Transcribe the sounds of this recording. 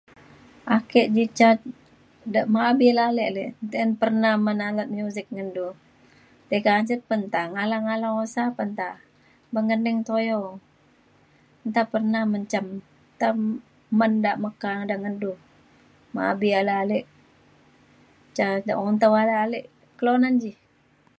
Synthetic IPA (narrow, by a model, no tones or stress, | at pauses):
ʔakɛʔd͡ʒit͡ʃa | daʔmaːbilalɛʔlɛnt̪enpərnahmənalət̪̚mjuzɪk̚ŋəndu | t̪ekansət̪̚pənt̪aŋalaŋalaosapənt̪a | bəŋɡənɪŋt̪ojɔŋ | nt̪apərnahməɲt͡ʃam | t̪a | məndaʔməkaŋdaŋəndu | ma̰a̰bialalɛʔ | t͡ʃada̰ʔɔnt̪awalaalɛʔ | kəlonand͡ʒih